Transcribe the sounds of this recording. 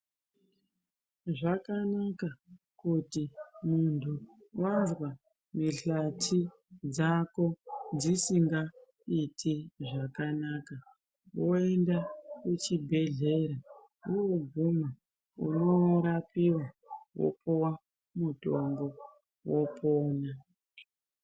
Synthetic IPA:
ʐakanaka | kutimuntʰuwanzwa | miɬatʰi | d͡zako̞d͡zisiŋɡa | itʰiʐakanaːka | wo̞e̞ndakut͡ʃibʱe̞ɮe̞ɾa | uɡʱuma | ṵno̞ɾapiwa | wo̰pʰowa | muto̞ŋɡo̞ | wo̞pʰoːna

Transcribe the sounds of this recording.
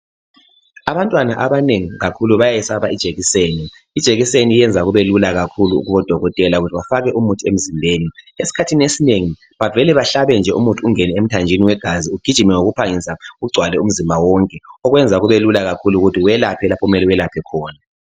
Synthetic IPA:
aβantʼwanaʔaβaneŋiɣakʰuluβajajɛsaβaid̥ʒ̥ʱeɣiseːni | id̥ʒ̥ʱeɣisenijɛnd͡zʱaɣuβelulaɣakʰuluṵɣuβɔd̥ʱɔɣɔtʼɛlauɣutʰiwafaɣɛʔumutʰiem̩zimbʱeːniesi̥kʰatʰinesineŋi | βavɛlɛβaɬaβɛnd͡ʒʱɛʔṵmutʰuuŋɛnɛem̩tʰand͡ʒʱiniwɛɡ̥ʱaziuɡ̥ʱi̥ʒ̥ʱimɛŋoɣupʰaŋisauuɡ͡ǀʱwalɛum̩zimbʱawɔŋkʼɛɔɣwɛnd͡zʱaɣuβelulaɣakʰuluɣutʰiwɛlapʰɛlapʰɔumɛlɛwɛlapʰɛkʰɔːna

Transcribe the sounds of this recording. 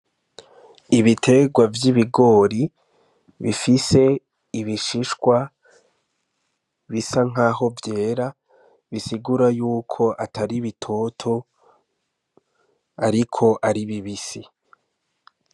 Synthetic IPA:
iβitʰe̞ɡwavjiβiɡo̞ːɾi | βifise̞ | iβiʃiʃkwa | βisaŋ̥ɦaːho̞vje̞ːɾa | βisiɡuɾajuːkʰo̞ʔataɾiβitʰo̞tʰo̞ | aɾikʰo̞ʔaɾiβiβisi

